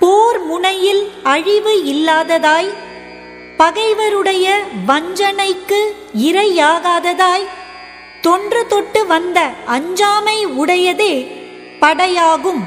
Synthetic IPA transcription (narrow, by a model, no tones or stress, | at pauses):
poːɾmʊɳɐjɪlɐɻɪʋɯɪlːaːðɐðaːj | pɐɣɐɪʋɐɾɯɽɐjɐʋɐɲd͡ʒɐnɐɪkːɯ | ɪɾɐɪaːɣaːðɐðaːj | t̪ɔndrɯt̪ɔʈːɯʋɐnd̪ɐɐɲd͡ʒaːmɐɪʊɽɐjɐðeː | pɐɽɐjaːɣɯm